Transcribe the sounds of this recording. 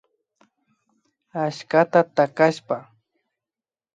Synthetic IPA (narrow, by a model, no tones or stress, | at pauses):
aʃkat̪at̪akaʃpa